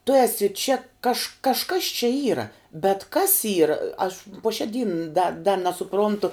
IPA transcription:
tʊ ˈæːsʲɪ t͡ʃʲɛ kɐʃ kɐʃˈkɐs t͡ʃʲɛ ˈiːrɐ bʲɛt kɐs ˈiːrɐ ɐʃ puɔ ʃʲɛ ˈdʲiːn dɐ dɐ nʲɛsʊˈproːntʊ

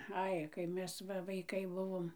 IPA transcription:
ˈɐɪ kɐɪ ˈmʲɛs ˈʋɐ ʋɐɪˈkɐɪ ˈbʊʋoːm

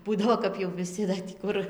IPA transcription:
ˈbuːdɐʋoː kɐp jɛʊ ʋʲɪˈsʲɪ dɐ tʲiː ˈkʊr

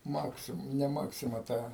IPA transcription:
ˈmɑːksʲɪm nʲɛ ˈmɑːksʲɪmɐ ˈtɐ

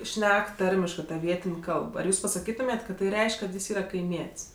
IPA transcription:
ˈʃʲnʲɛk ˈtɐrʲmʲɪʃkɜ tɐ ˈʋʲiɛtʲɪnʲ ˈkɐlˠp ɐr ˈjuːs pɐsɐˈkʲiːtʊmʲeːtʲ kɐt tɐɪ ˈrʲɛɪʃʲkʲ kɐt ˈjɪs ˈiːrɐ kɐɪˈmʲiɛtʲsʲ

